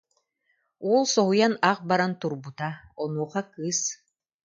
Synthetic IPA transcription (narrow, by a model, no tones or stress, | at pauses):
ɔlˠsɔɦujanaq̚baɾant̪uɾbut̪aɔnuɔχakɯːs